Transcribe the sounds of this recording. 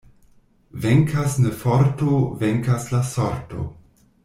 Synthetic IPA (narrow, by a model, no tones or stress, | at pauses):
veŋkʰasnefoɾtoveŋkaslasoɾto̰